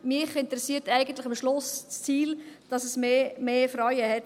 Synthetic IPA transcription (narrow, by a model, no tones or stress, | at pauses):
mɪχɪntəɾɛsiːtæɪɡən̩tlɪχɑmʃlʊst͡st͡siːld̥ɑsɛsmeːmeːfɾɑjəhɛt